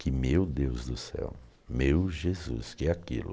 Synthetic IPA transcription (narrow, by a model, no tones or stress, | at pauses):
kʰɪmewd̪ewzd̪ʊsɛ̰w | mewʒezṵskɪɛakḭlʊ̰